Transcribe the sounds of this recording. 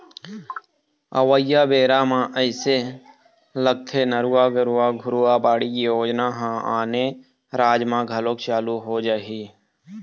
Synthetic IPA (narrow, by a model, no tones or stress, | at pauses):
ə̰wəjabeːɾamãʔəɪse | ləɡ̚t̪ʰenəɾuːaɡəɾuaɡʱʊɾuabaːɽikijoːd͡ʒnaɦãaːne | ɾaːd͡ʒmãɡʱəloːkt͡ʃaːluɦod͡ʒaːɦiː